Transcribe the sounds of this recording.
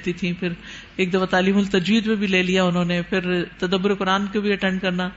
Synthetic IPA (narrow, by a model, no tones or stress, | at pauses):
t̪it̪ʰĩpʰɪɾ | eːk̚d̪ɐfat̪aːliːmʊlt̪ɐd͡ʒwiːd̪pẽbʱileːlijaːʊnõːnepʰɪɾt̪ɐd̪əbːʊɾekʊɾaːnkebʱiɐʈɛ̃ɳɖkɐɾnaː